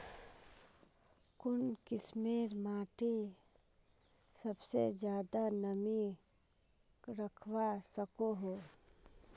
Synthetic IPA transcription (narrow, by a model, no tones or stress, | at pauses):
kʊnkɪsmeːɾmaːʈe | səbsḛd͡ʒjaːd̪anəmi | ɾəkʰwasəkoɦoː